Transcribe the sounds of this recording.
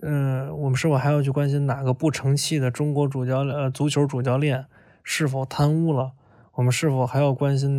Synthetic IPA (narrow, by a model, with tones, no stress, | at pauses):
ə˧wɔ˨˩mə˦nʂɻ̩˥˩fʊxa˧˥ɪjʊt͡ɕʰy˥˩kwa˥nɕ̬i˥nna˨˩ɡə˦pu˥˩ʈ͡ʂʰɤ˧˥ŋt͡ɕʰi˥˩d̪ə˩ʈ͡ʂʊ˥ŋkwɔ˧˥ʈ͡ʂu˨˩t͡ɕjɑ˥˧ʊ˧t͡su˧˥t͡ɕʰjo˧˥ʊʈ͡ʂu˨˩t͡ɕjɑ˥˧ʊljɛ˥˩n | ʂɻ̩˥˩fo˨˩ʊt̪ʰa˥nu˥˩lə˩ | wɔ˨˩mə˦nʂɻ̩˥˩fo˨˩ʊxa˧˥ɪjɑ˥˩ʊkwa˥nɕi˥n